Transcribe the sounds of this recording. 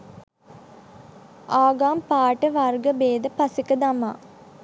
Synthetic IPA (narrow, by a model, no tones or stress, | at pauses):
aːɡaːmpaːʈəʋarɡəbeːd̪əpasekəd̪ama̰ː